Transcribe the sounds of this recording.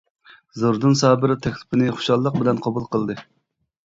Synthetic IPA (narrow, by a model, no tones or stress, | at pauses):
zoɾd̪ɨnsɑːbɪɾɪt̪ʰɛkʲlˠɪ̥pʰɪnɪχʊ̥ʃɑlˠːəq̚bɪlɛnqʰɑbulˠqʰəlˠd̪ɨ